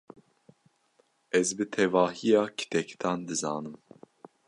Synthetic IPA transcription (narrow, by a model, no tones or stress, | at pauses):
ɛzbɨt̪ʰɛvɑːɦijɑːkʰi̥t̪ʰɛkt̪ʰɑːnd̪ɨzɑ̰ːnɨm